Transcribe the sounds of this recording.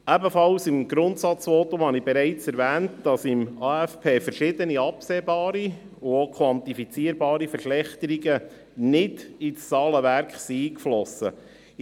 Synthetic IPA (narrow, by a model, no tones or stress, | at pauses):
æbəfɑlsɪmɡɾʊntsɑt͡sfɔtʊmhɑnibeɾæɪt͡sɛɾvæːntd̥ɑsɪmɑːæfpʰeːfəɾʃɪd̪əniɑpseːbɑːɾi | ʊokʰwɑntifit͡siːəɾbɑːɾifəɾʃlɛχt̪əɾiɡə | nɪdist͡sɑːləʋæɾkχsiiːkflɔsə